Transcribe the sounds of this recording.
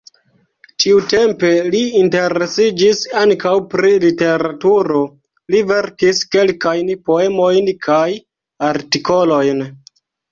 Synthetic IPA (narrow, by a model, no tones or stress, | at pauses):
tiute̞mpe̞liːnte̞ɾe̞sid͡ʒisaŋkawpɾilite̞ɾatuɾo̞ | live̞ɾkiske̞lkajnpo̞e̞mo̞jnkʰaj | aɾtiko̞lo̞jn